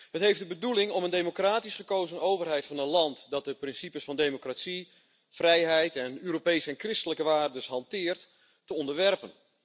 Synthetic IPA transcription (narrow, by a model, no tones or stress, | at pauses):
ɦətɦejfdəbədulɪŋɔməndejmokraːtisχəkowzənowvərɦɛjtfɑnənlɑntdɑt̚dəprɪnsipəsfɑndemokrasi | frɛjɦɛjtɛnøːɾopejsəɛnkrɪstələkəʋaːrdəsɦɑntɪːrtː | əɔndəɹʋɛrpən